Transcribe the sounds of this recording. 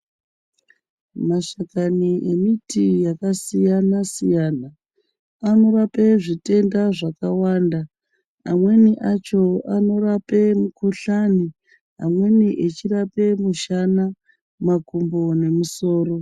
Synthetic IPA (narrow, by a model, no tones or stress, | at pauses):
maʃakaniʔemitijakasijanasijana | ano̞rapeʐite̞ndaʐakawanda | amwe̞niʔat͡ʃo̞ano̞rape̞mukuɬani | a̰mwe̞niʔet͡ʃirape̞muʃana | makumbone̞muso̞ːro̞